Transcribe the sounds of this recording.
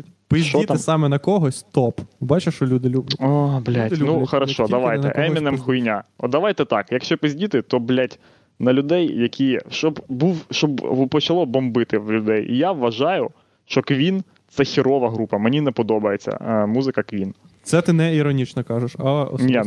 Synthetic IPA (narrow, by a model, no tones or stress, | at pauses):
pɪzʃʲt͡ʃɔit̪ɪsɑmɛnɐkɔɦɔsʲt̪ɔpbɑt͡ʃɪʃt͡ʃɔlʲud̪ɪlʲubʲablʲatʲnuxɐɾɐʃɔd̪ɐʋajt̪ɛ̰ʔɛmʲinɛmxʊjnʲaɔ̰d̪ɐʋajt̪ɛt̪ɑkjɐkʃt͡ʃɛpɪzʲdʲit̪ɪt̪ɔblʲatʲ | nɐlʲʊd̪ɛjjɐkʲijɛʃt͡ʃɔbbuwʃt͡ʃɔbpɔt͡ʃɐlˠɔbɔmbɪt̪ɪwlʲʊd̪ɛjḭjaʋːɐʒɑjʊ | ʃt͡ʃɔkʋʲin | t̪sɛxʲiɾɔʋɐɦɾupɐmenʲinɛpɔd̪ɔbɐjet͡sʲːɐ̰muzɪkɐkʋʲin | t̪sɛt̪ɪnɛiɾɔnʲit͡ʃnɔkɑʒʊʃɐɔ̰nʲɛ